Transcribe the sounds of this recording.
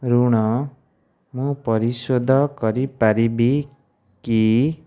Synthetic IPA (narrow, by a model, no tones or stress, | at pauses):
ɾuɽʌ | mupʌɾisod̪ʱʌkʌɾipaɾibi | ki